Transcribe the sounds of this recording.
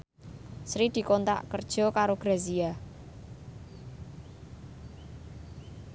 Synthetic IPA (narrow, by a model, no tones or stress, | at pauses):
sɾid̪̥i̤kont̪a̰ʔkərd̥ʒ̥ɔ̤kaɾoɡ̥ɾazia